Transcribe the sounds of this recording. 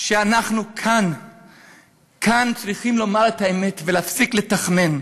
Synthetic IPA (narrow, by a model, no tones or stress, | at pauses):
ʃeanaχnukʰan | kʰant͡sʁiχimlomaʁetaeme̞tveleafsikle̞taχne̞n